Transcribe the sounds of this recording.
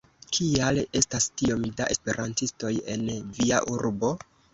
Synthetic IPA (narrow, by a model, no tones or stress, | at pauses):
kʰiale̞stastio̞mdaʔe̞spe̞ɾʔantisto̞je̞̰nvia̰ʔuɾbo̞